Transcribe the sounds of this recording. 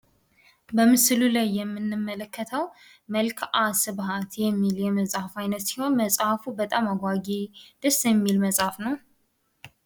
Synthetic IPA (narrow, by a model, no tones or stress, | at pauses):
bəmɨslulajːɛmːɨnːɨmːələkʰːət̪ʰəw | məlkʰasɨβhat̪jɛmːiljɛməsʼhafajnət̪siho̞nməsʼhafubət̪ʼamaɡʷaɡed̪̥əsjɛmːilməsʼhafnəw